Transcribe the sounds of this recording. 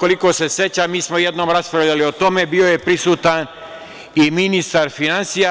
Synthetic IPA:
ko̞liko̞se̞set͡ɕamiːsmojed̪no̞ːmɾaspɾavʎalio̞t̪o̞me̞bio̞je̞pɾisuːt̪an | iminist̪aɾfinansija

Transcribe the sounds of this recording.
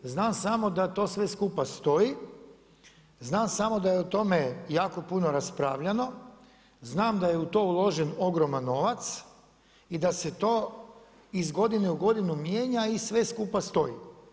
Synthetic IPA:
znaːmsamo̞d̪at̪o̞ːsʋe̞skupast̪o̞ji | znaːmsamo̞d̪ajeot̪o̞mejaːko̞puno̞ɾaspɾaːʋʎano̞ | znaːmd̪ajeut̪o̞ːulˠo̞ʒeno̞ɡɾo̞manːo̞ʋat̪s | id̪ase̞t̪o̞ː | izɡo̞d̪ineuɡo̞d̪inumjeːɲaisʋe̞skupast̪o̞jḭ

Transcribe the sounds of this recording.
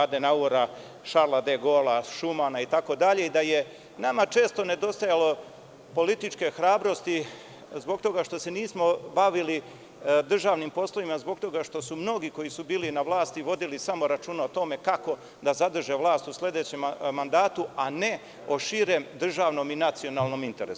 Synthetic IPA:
aːd̪enauɾa | ʃaɾlad̪eɡolaʃumanait̪ako̞d̪aʎe̞id̪aje̞ | namat͡ʃe̞ːst̪o̞ne̞d̪o̞st̪ajalo̞ | po̞lit̪it͡ʂke̞xɾaːbɾo̞st̪i | zbo̞ɡ̚t̪o̞ɡaʃt̪o̞se̞niːsmo̞baʋili | d̪r̩ʒaːʋnimpo̞slˠoʋimazbo̞ɡ̚t̪o̞ɡaʃt̪o̞sumno̞ɡiko̞jisubiːlinaʋlˠaːst̪iʋo̞d̪ilisamo̞ɾat͡ʃuːnaot̪o̞me̞kako̞ | d̪azad̪r̩ʒeʋlˠaːst̪usle̞d̪e̞t͡ɕemmand̪aːt̪uane̞ | oʃiɾe̞md̪r̩ʒaːʋno̞minat̪sio̞naːlˠno̞mint̪e̞ɾesu̥

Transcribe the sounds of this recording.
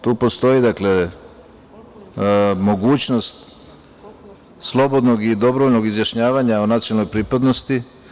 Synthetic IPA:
t̪uːpo̞st̪o̞id̪akle̞ | mo̞ɡuːt͡ɕno̞st̪ | slˠo̞bo̞d̪no̞ɡid̪o̞bɾoʋoʎno̞ɡizjaʃɲaːʋaɲaonat̪sionalnojpɾipad̪nost̪i

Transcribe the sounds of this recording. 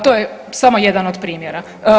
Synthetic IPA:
t̪ojesamo̞jed̪anod̪pɾiːmjeɾa

